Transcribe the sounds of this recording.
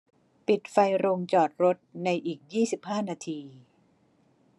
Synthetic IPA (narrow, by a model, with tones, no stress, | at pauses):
pi˨˩t̪̚fa˧jɾo˧ŋt͡ɕɔː˨˩t̪̚ɾo˦˥t̪̚na˧jʔiː˨˩k̚jiː˥˩si˨˩p̚haː˥˩naː˧t̪ʰiː˧